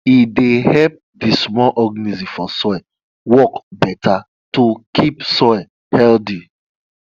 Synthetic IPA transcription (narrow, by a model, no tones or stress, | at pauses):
idehɛp̚ | dismɔlʔɔɡnizĩfɔsɔɛ | wɔkbɛtʰa | tukʰipsɔj | hɛldi